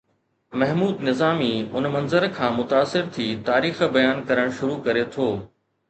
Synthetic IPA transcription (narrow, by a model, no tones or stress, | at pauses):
mɐɦmuːd̪nɪzaːmiʊnmɐ̃nzəɾkʰãːmʊt̪aːsːɪɾt̪ʰiːt̪aːɾiːxbɐjaːnkɐɾəɽ̃ʃʊɾukɐɾet̪ʰoː